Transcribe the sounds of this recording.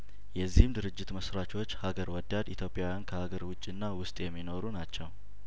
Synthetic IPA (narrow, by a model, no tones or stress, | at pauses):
jɛzːihɨmd̪ɨɾɨd͡ʒːɪt̪məsɾat͡ʃo̞t͡ʃːhaɡəɾwɔd̪ad̪it̪ʰjo̞pʼːjawjankʰəhaɡəɾwʊt͡ʃʼːɨnːawʊst̪ʼjɛmːino̞ɾunat͡ʃːɛw